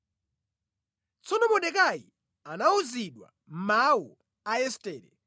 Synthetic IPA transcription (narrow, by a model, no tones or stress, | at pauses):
t͡sʰɔnɔmɔɗɛk̬ajḭ | anauziɗwa̰ | m̩mawu | aɛstɛːlɛ